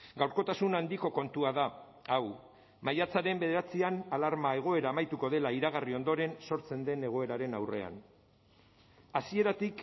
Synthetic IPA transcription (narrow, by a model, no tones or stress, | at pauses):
ɡawɾko̞t̪asunand̪iko̞ko̞nt̪uaða | aw | majat͡saɾe̞mbe̞ðeɾat͡sianalaɾmae̞ɣ̞o̞e̞ɾaːmajt̪uko̞ðe̞laiɾaɣ̞ario̞nd̪o̞ɾe̞nso̞ɾt͡se̞nd̪e̞ne̞ɣ̞o̞e̞ɾaɾe̞nawre̞̰a̰n | asie̞ɾat̪ik